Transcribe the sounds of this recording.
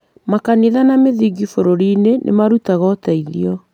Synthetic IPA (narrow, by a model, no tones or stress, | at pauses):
makaneðanameðiɡifoɾoɾiːnenʔḛmaɾutaɣɔtaiðiɔ